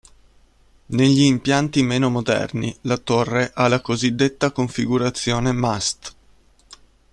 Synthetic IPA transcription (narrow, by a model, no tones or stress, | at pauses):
neʎːiːmpjant̪imeːnomod̪ɛ̰rnilat̪orːeʔalakozid̪ːet̪ːakoɱfiɡuɾat̪sːjoːnemast̪